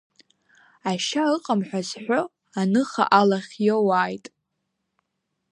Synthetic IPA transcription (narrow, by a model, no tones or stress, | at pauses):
aʃaɨqʼamħʷᶣazħʷᶣo | anɨχa̰ʔalaχʲjowaːjtʼ